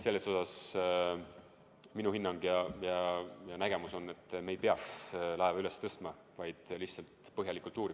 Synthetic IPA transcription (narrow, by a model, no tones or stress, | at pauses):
se̞lːe̞so̞sɑs | minuhinːɑŋɡ̥jɑjɑjɑnæɡ̥e̞muso̞nːe̞t̪ːˑme̞jpe̞ɑkslɑevɑyle̞st̪ɤst̪mɑ | vɑjd̪̥liht̪sɑlt̪pɤɦjɑlikˑult̪ːˑuːɾi